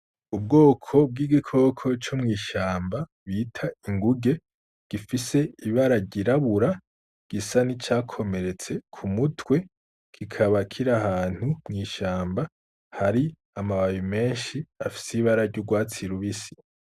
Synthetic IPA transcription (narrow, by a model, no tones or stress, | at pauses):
ub̚ɡo̞ːkʰo̞b̚ɡiːɡikʰo̞kʰo̞t͡ʃomŋiːʃaːmba | βiːtʰaiŋɡuɡe̞ | ɡ̥ifise̞iβaɾaɾɟiɾaβuɾa | ɡ̥isanit͡ʃaːkʰo̞me̞ɾe̞t͡se̞kʰumutwe̞ | kʰikʰaβakʰiɾaɦaːn̥humŋiːʃaːmba | haɾi | amaβajime̞ːnʃiafi̥siβaɾaɾɟuɡwaːt͡siɾuβisi̥